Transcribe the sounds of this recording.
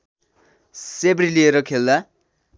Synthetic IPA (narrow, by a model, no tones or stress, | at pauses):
sebɾilieɾʌkʰelːa